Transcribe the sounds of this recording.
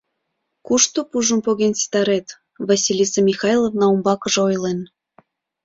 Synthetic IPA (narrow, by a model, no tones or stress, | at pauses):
kuʃt̪opuʒə̆mpoɣensi̥t̪ɑɾet̪ | vɑsʲilʲisemʲixɑjlˠovnɑumbɑkə̆ʒojlen